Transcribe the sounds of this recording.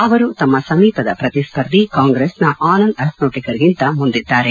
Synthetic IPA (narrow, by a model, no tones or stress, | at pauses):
ɐʋɐɾut̪ɐmːɐsɐmiːpɐd̪ɐpɾɐt̪ispɐɾd̪ʱikaːŋɡɾeːsnɐʔaːnɐnd̪ɐsnoːʈikɐɾiɡint̪ɐmund̪id̪ːaːɾe